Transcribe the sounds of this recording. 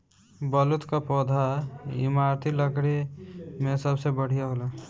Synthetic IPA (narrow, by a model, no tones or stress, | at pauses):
bəlut̪kapɔːd̪ʱaɪ̰maːɾt̪ʰiləkɽemẽsəbsebəɽ̤ijaɦola